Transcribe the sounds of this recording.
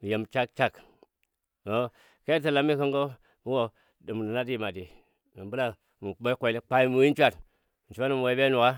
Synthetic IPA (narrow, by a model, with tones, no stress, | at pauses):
mi˨je˨mt͡ʃa˦k̚t͡ʃa˦k | o˦ | ke˦i˦tə˨la˨˦mːi˦kə˦ŋɡo˦ | mi˦wo˨ | dɨ˨m˨n˨na˦di˦ma˨di˨ | mi˨mbu˦la˦ | mu˨ɓo˦kʷe˨li˦k͡pa˦i˦mu˨wi˦t͡ʃʷa˦˨t̩˨ | t͡ʃu˦ba˦ni˦m˨we˨˦be˦nu˨ka˦